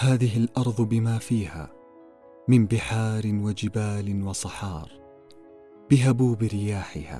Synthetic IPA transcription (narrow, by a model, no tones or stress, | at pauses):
haːðɪɦɪlʔɑɾˤðˤbɪmaːfiːha̰ː | mɪmbɪħɑːɾɪnwad͡ʒɪbaːlɪnwɑsˤɑħɑːɾˤ | b̥ɪɦabuːbɪɾɪjaːħɪha̰ː